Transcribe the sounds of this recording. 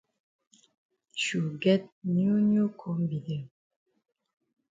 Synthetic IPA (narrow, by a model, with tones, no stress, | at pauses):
ʃu˨ɡɛ˦t̚nu˦nju˦kʰɔ˨˦mbi˨di˨